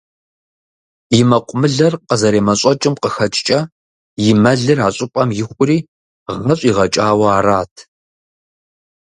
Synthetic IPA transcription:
jɪmɐqʷʼʊmɨɮɐrqəzɐɾeːmɐɕʷʼɔt͡ʃʼɪmqəxɐt͡ʃʼt͡ʃʼɐ | jɪmɐɮɨraɕʼɪpʼɐmjɪxʷʼʊriː | ʁɐɕʼiːʁɐt͡ʃʼaːwɐaːraːtʰ

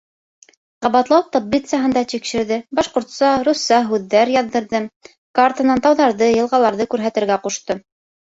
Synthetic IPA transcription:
qɑβɑt̪lˠɑwp̚t̪obbʲit̪sjaɦɤ̆nd̪ɑt̪ikʃɘ̆ɾðɘbɑʃqŏɾt̪sɑɾusɑɦʉðːæɾjɑðːɤ̆ɾðɤ | kart̪ənɑnt̪ɑwðɑɾðɤjɤ̆lˠʁɑlˠɑɾðɤkʉɾɦæt̪ɘ̆ɾɡæquʃt̪ɤ

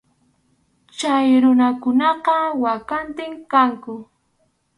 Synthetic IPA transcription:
t͡ʃajɾʊnakʊnɑqɑwakant̪ɪŋkaŋkʊ

